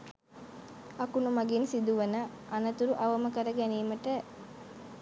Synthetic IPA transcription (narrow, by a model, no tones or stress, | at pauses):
ɐkunumɐɡinsid̪uʋɐnə | ʔɐnɐt̪uɾuʔɐʋɐməkəɾəɡæniːməʈə